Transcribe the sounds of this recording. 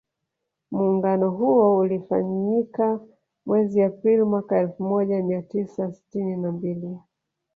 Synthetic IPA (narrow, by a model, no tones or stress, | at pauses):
muːŋɡanɔɦuɔulifa̰ɲika | mwɛziapɾilimwakaɛlfumɔʄamiatisasi̥tininambili